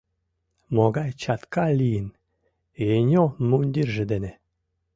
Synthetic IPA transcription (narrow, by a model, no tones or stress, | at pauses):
moɡɑjt͡ɕɑt̪kɑlʲijən | enʲomunʲd̪ʲirʒĕd̪ene